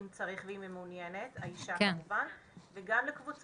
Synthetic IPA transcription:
mt͡sɐʁiχveimemunjeneta̰iʃamuva | veɡamlekvut͡s

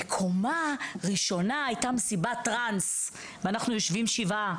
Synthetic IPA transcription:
ekʰo̞maʁiʃo̞naajtamesibatʁans | veanaχnujoʃvimʃiva

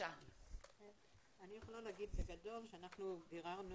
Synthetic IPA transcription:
a | e | anijeχolaleaɡid̪beɡado̞lʃeanaχnubiʁaʁn

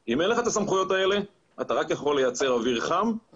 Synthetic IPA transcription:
imenleχaet̪asamχujo̞t̪ae̞le̞ | at̪aʁakjaχo̞lːe̞jat͡se̞ʁaviʁχam

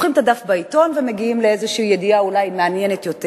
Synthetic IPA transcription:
χimtadafbaito̞nvemeɡiimleezeʃiːjediaulajmeanjenet̪jo̞te

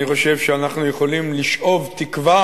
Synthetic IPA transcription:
iχo̞ʃe̞vʃeanaχnujeχo̞limliʃʔo̞vt̪ikva

